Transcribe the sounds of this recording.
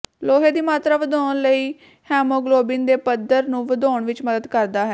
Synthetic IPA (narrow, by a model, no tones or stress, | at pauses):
loːɦeːd̪iːmaːt̪ɾaːʋəd̪ɔːnləiː | hɛːmoːɡloːbɪnd̪eːpəd̪əɾnũːʋəd̪ɔːɳʋɪt͡ʃməd̪əd̪kəɾd̪aːɦɛː